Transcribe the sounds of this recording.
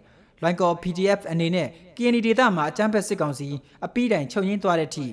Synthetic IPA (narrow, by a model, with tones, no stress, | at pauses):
lwã˨ɪ̃ŋkɔ˨pi˨di˨ʔɛ˦˨pʰʔəne˨nɛ̰˦˨ke˨ʔə̃˨ni˨de˨t̪a̰˦˨m̥a˨ʔət͡ɕã˦mpʰɛ˦ʔsɪ˦kːã˨ʊ̃nsi˨ | ʔəpi˦ɾã˨ɪ̃ɲt͡ɕʰõ˦˨ɲẽ˦t̪wa˦ɾɛ̰˦˨ətʰḭ˦˨